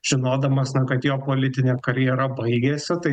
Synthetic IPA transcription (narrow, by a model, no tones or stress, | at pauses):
ʒ̥ʲɪnoːd̪ɐmɐsnɐkɐt̪joːpoːlʲɪt̪ʲɪnʲekɐɾʲjɛɾɐbɐɪɡʲeːsʲɪt̪ɐɪ